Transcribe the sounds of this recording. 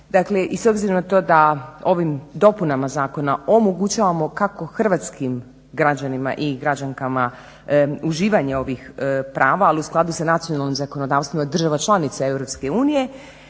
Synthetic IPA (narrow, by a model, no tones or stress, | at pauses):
d̪akle̞ʔiso̞bziɾanat̪o̞ːd̪ao̞ʋimd̪o̞punamazaːko̞nao̞mo̞ɡut͡ɕaːʋamo̞kako̞xr̩ʋat̪skim | ɡɾad͡ʑanima̰ʔiɡɾad͡ʑaŋkama | uʒiːʋaɲeo̞ʋixpɾʔaːʋaːliusklˠad̪usanat̪sijo̞nalnimzako̞no̞d̪aːʋst̪ʋimad̪r̩ʒaʋat͡ʃlˠanit̪sae̞vɾo̞pske̞uːnije̞